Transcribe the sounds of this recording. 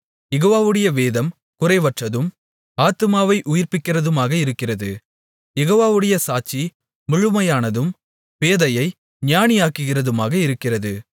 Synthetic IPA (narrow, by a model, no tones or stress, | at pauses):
jɛɣoːʋaːʋɯɽɐjɐʋeːðɐm | kʊrɐɪʋɐʈrɐðɯm | aːt̪ɯmaːʋɐɪʔʊjɪrpɪkːɪrɐðɯmaːɣɐɪɾɯkːɪrɐðɯ | jɛɣoːʋaːʋɯɽɐjɐsaːt͡ʃːi | mʊɻɯmɐjaːnɐðɯm | ʋeːðɐjɐɪ | nɪjaːnijaːkɯɣɪrɐðɯmaːɣɐɪɾɯkːɪrɐðɯ